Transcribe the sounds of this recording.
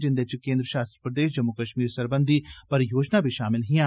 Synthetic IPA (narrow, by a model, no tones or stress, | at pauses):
d͡ʒɪ̃nd̪et͡ʃkẽːnd̪ɾəʃaːst̪ɾəpɾəd̪eːʃ̬d͡ʒɐmːukəʃmiːɾsɐɾbə̃nd̪ʱipɐɾjoːd͡ʒnabʱiʃaːmɪlɦiã